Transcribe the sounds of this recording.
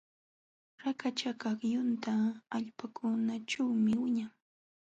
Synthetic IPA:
ɾakat͡ʃakɑkjʊnt̪aːʎpakʰʊnaʈ͡ʂawmɪwɪɲaŋ

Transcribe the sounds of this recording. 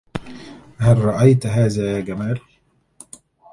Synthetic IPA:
ɦalɾˤɑʔajt̪ɦaːzajaːɡamaːl

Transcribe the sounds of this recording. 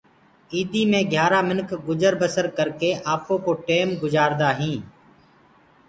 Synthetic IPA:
iːd̪iːmẽːɡʱjaːɾaːmɪnkʰɡʊd͡ʒəɾbəsəɾkəɾkeːʔaːpõːkoːʈeːmɡʊd͡ʒaːɾd̪aːɦĩː

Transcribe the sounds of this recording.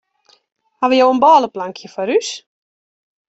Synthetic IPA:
haʋəjowənbɔːləplaŋkʰjəfɔɾys

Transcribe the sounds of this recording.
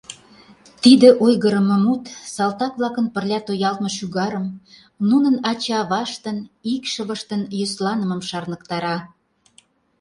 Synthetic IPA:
t̪id̪ĕʔojɣəɾə̆məmut̪sɑlt̪ɑkβlɑkənpə̆rlʲɑt̪ojɑlt̪̚mɤ̆ʃyɣɑɾəm | nunənɑt͡ɕɑβɑʃt̪ənikʃəβə̆ʃt̪ənjoslɑnəməmʃɑrnə̆kt̪ɑɾɑ

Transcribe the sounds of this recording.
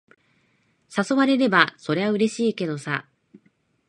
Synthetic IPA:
saso̞βaɾe̞ɾe̞baso̞ɾe̞βaɯ̟ɾe̞ɕiːke̞d̪o̞sa

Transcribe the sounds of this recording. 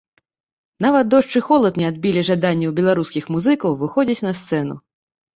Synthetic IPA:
navɐt̪̚d̪ɔʂt͡ʂɨxɔlˠɐt̪nʲɛad̪̚bʲilʲiʐad̪anʲːɛwbʲɛlˠaɾuskʲixmuzɨkɐwvɨxɔd͡zʲit͡sʲnɐst̪sɛn̪ṵ

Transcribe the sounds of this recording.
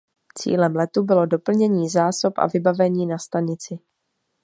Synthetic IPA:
t͡sḭːlɛmlɛt̪ubɪlo̞do̞pl̩ɲɛɲiːzaːso̞pʔa̰vɪbavɛɲiːnast̪aɲɪt͡sɪ

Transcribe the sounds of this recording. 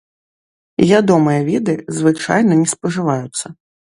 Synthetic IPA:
ivʲad̪ɔmɨjɐvʲid̪ɨzvɨt͡ʂa̰jnɐnʲɛspɐʐɨvajut̪sːɐ

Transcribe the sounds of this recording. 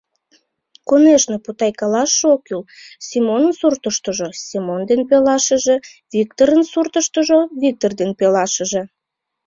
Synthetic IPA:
koneʃneput̪ɑjkɑlɑʃokylsʲimonənsurt̪əʃt̪əʒosʲimond̪enpelɑʃəʒe | vik̚t̪oɾənsurt̪əʃt̪əʒoβik̚t̪ord̪enpelɑʃəʒe

